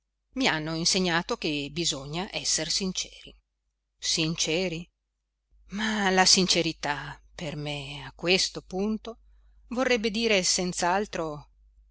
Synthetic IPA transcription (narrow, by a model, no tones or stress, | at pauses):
mianːoinseɲːaːt̪ok̟ebizoɲːaʔɛsːersint͡ʃɛ̥ːɾi | sint͡ʃɛːɾi | malasint͡ʃeɾit̪apermeakːwest̪opunt̪o | vorːɛbːed̪iːɾesent̪saalt̪ɾo